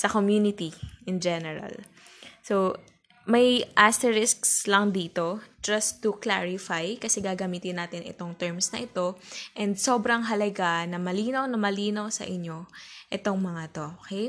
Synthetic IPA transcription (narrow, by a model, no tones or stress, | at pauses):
sɐkomjunɪt̪iʔɪnd͡ʒɛnɛɹɐ̰l | sow | mɐjʔast̪ɛɹɪskslɐŋd̪iːt̪o̞d͡ʒɐst̪ːʊklaɹɪfajkɐsɛɡaːɡɐmiːt̪ɪnːaːt̪ɪnʔɪ̰t̪o̞ŋt̪ɛɹmsnɐʔɪt̪o̞ʔɛnd̪̚so̞bɾɐŋɦɐlɐɡanɐmɐliːnɐwnɐmɐliːnawsɐ̰ʔɪɲːo̞ʔɛt̪o̞ŋmɐŋat̪o̞ʔʔokej